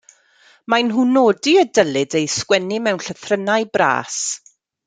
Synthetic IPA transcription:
majnɦunoːdiədəlˠɨdejskwɛnimɛwnɬəθrənajbra̰ːs

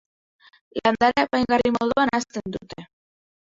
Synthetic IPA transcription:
land̪aɾaepajŋɡarimoðuanast̪end̪ut̪e

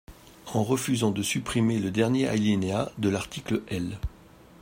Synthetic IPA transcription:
ɑ̃ʁəfyzɑ̃d̪əsypχimeləd̪ɛʁnjeʔa̰lenead̪əlaʁt̪ʰikləʔɛl

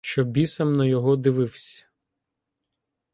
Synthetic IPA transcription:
ʃt͡ʃɔbʲisɐmnɐjɔɦɔd̪ɪʋɪwsʲɐ̥

